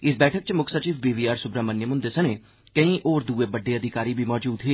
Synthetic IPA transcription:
ɪs̬bɛːʈʰək̚t͡ʃmʊkʰsət͡ʃiːbbiːbiːaːɾsʊbɾãːmənːjəmɦʊ̃nd̪eːsəneː | kəĩːʔoːɾd̪uːeːbəɖːeːəd̪ʱɪkaːɾiːbʱiːmɔːd͡ʒuːd̪ɦeː

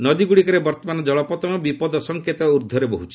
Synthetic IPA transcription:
nɔd̪iɡuɽikɔɾebɔɾt̪ɔmanɔd͡ʒɔɭɔpɔt̪ɔmɔbipɔd̪ɔsɔŋket̪ɔuɾd̪ʱːɔɾebɔɦut͡ʃʰi̥

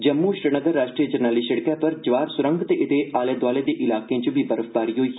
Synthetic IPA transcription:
d͡ʒəmːuʃɾənəɡəɾːaːʃʈɾiːəd͡ʒəɾnaːliːsəɽkɛːpɐɾd͡ʒʋaːɾsʊɾə̃ŋɡt̪eʔɪt̪eʔaːleːd̪ʋaːleːd̪eːʔɪlaːkeãt͡ʃəbʱiːbəɾəfbaːɾiːɦoiː

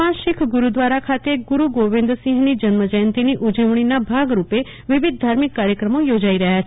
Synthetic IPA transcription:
ãʃɪkʰɡuɾud̪ʋaɾakʰat̪eɡuɾuɡoʋɪ̃nd̪ɾəsĩŋɦnid͡ʒənməd͡ʒəjənt̪iniʔud͡ʒəʋɽ̃inabʱaɡɾupe | ʋɪʋɪd̪̚ːʱaɾmɪkːaɾjəkɾəmojod͡ʒaiɾəɦjat͡ʃʰ

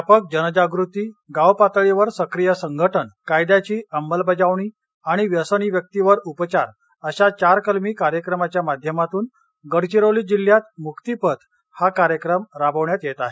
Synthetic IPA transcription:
apək̚d͡ʑənəd͡ʑaɡɾut̪iːɡawpat̪ɭiʋəɾsəkɾijəsəŋɡʱəʈʰəɳkajd̪jat͡ɕiːʔəmbəlbəd͡ʑaʋɳ̃iː | aɽ̃iʋjəsəɳ̃iːʋjək̚t̪iʋəɾupət͡ɕaɾ | əɕat͡ɕaɾkəlmiːkaɾjəkɾəmat͡ɕjamad̪ʱjəmat̪uːn | ɡəɽt͡ɕiɾoliːd͡ʑil̤jat̪mukt̪ipət̪ʰ | hakaɾjəkɾəmɾabəʋɳjat̪jet̪aɦe

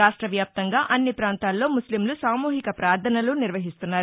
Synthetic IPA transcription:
aːʂʈɾɐʋjaːp̚t̪ɐŋɡaːʔɐnːipɾaːnt̪aːlːo̞ːmuslimlusaːmuːɦikɐpɾaːd̪ʱɐnɐluniɾʋɐɦist̪unːaːɾ

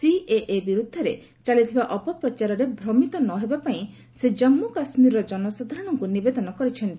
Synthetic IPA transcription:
siʔeʔebiɾud̪ʱːɔɾe | t͡ʃalit̪ʰibaʔɔpɔpɾɔt͡ʃaɾɔɾebʱɾɔmit̪ɔnɔɦebapaĩ | sed͡ʒɔmːukasmiɾɾɔd͡ʒɔnɔsɔd̪ʱaɾɔɽ̃ɔŋkunibed̪ɔnɔkɔɾit͡ʃʰɔnt̪i

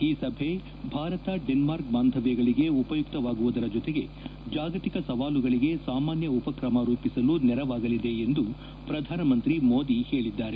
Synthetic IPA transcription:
iːsɐbʱe̞ | bʱaːɾɐt̪ɐɖenmaːɾk̚baːnd̪ʱɐʋɛɡɐɭiɡe̞upɐjuk̚t̪ɐʋaːɡuʋud̪ɐɾɐd͡ʒɔt̪eɡe̞ | d͡ʒaːɡɐt̪ikɐsɐʋaːluɡɐɭiɡe̞saːmaːnjɐupɐkɾɐmɐɾuːpisɐlunɛɾɐʋaːɡɐlid̪e̞ːnd̪u | pɾɐd̪ʱaːnɐmɐnt̪ɾimoːd̪ihe̞ːɭid̪ːaːɾe

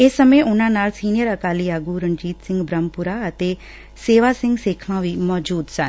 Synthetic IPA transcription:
eːsːəmẽʔʊnãːnaːlsiːnɪjəɾəkaːliːaːɡuːɾə̃nd͡ʒiːt̪sɪ̃ŋɡbɾəmpʊɾaːət̪eː | seːʋaːsɪ̃ŋɡseːkʰʋãːʋiːmɔːd͡ʒuːd̪sən

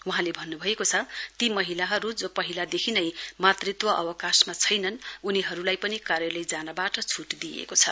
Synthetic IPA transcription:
wuɦãlebʱʌnːubʱʌekot͡sʰʌt̪imʌɦilaɦʌɾud͡zopʌɦilad̪ekʰinʌjmat̪rit̪wʌʔʌ̰wʌkasmat͡sʰʌjnʌnuniɦʌɾulajpʌnikarjʌlejd͡zanʌbaʈʌt͡sʰuʈd̪iḛkot͡sʰʌ

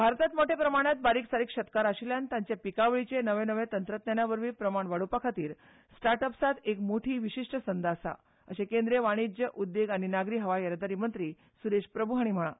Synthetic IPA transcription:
bʱaɾt̪at̪moʈʰepɾəmaɽ̃at̪̚baɾiːksaɾiːkɕət̪kaɾaɕiljant̪ãɲt͡ɕjapikaʋɭit͡ɕenəʋẽnəʋẽt̪ənt̪ɾət̪nanaʋəɾʋiːpɾəmaɳʋaɽupakʰat̪iːɾ | sʈaɾʈəpsat̪ekmoʈʰiːʋiɕiʂʈəsənd̪asa̰ | ə̰ɕekend̪ɾeʋaɽ̃id͡ʑjəʔud̪ːeɡaɽ̃inaɡɾiːɦəʋajəɾd̪aɾiːmənt̪ɾiː | suɾeɕpɾəbʱuɦaɽ̃im̤əɭã

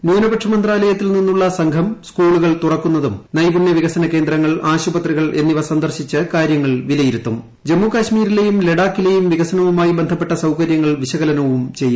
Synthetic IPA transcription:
nuːnɐbɐʈʂɐmɐnd̪raːlɐjɐt̪ːilninːuɭːɐsɐŋɡʰʱɐmskuːɭuɣɐɭt̪urɐkːunːɐðumnɐjbuɳjɐʋiɣɐsɐnɐke̞ːnd̪rɐŋːɐɭaːɕubɐt̪riɣɐɭʔe̞nːiʋɐsɐnd̪ɐrɕit͡ɕːɨkaːɾjɐŋːɐɭʋilɐjiɾut̪ːum | d͡ʑe̞mːukaːɕmiːɾile̞jumle̞ɽaːkːile̞jumʋiɣɐsɐnɐʋumaːjibe̞nd̪ʱɐpːe̞ʈːɐsɐwkɐɾjɐŋːɐɭʋiɕɐɣɐlɐnɐʋumt͡ɕe̞jːu

